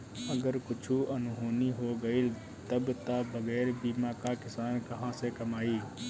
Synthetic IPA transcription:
əɡəɾkʊt͡ʃʰuʔɐnʊɦoːniɦoɡɐil | t̪əbt̪abəɡɛːɾbiːmãkakɪsaːnkɐɦãsekɐmaːiː

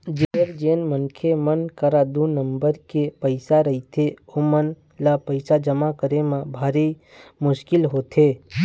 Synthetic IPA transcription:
d͡ʒeəɾd͡ʒeːnmənkʰemənkəɾad̪unəmbəɾkepəɪsaɾəɦit̪ʰeomən | lapəɪsad͡ʒəmakəɾemãbʱaːɾi | mʊʃkɪlɦoːt̪ʰeː

